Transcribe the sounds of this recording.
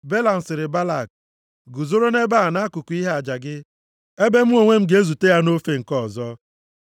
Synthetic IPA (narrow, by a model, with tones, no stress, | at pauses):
be˦la˨n̩˨sɪ˨ɾɪ˨ba˦la˦˨k̚ | ɡu˨zo˦ɾo˦ne˦ba˦a˨na˦kʊ˨kʷu˨i˦ɦa˨d͡ʒa˨ɡɪ˦ | e˦be˦m̩˦o˨ŋʷe˦m̩˦ɡe˨e˦zu˨te˦ja˦no˦fe˦ŋ̩˨kɔ˦˨zɔ˦